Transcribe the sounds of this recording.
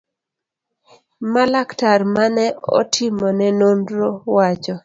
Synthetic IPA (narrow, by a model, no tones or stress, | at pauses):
malaktarmanɛɔ̰tʰɪmɔnɛnondɾowat͡ʃɔ